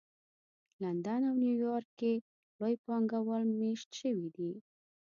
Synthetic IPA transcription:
land̪anawnjujɑɾkːe | lojpɑŋɡawəlmeʃt̪ʃəwid̪i

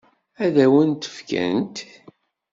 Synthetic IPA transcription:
æðæwənt̪ə̥fkæ̰nt̪

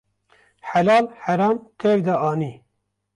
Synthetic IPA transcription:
ħalɑːlħaɾɑːmt̪ʰevd̪aʔɑːniː

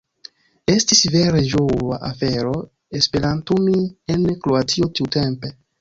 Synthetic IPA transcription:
e̞stisve̞ɾeʒoa̰ʔafe̞ɾo̞ | espe̞ɾantumienkɾoatiotiute̞mpe̞

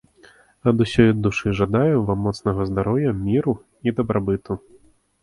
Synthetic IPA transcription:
ɐd̪usʲɔjd̪uʂɨʐad̪ajɛvamːɔt̪snɐɣɐzd̪aɾɔwjɐmʲiɾu | id̪ɐbɾabɨt̪u

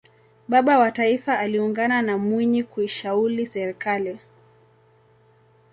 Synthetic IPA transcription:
ɓaɓawataifaːliuŋɡananamwiɲikuiʃaulisɛɾikali

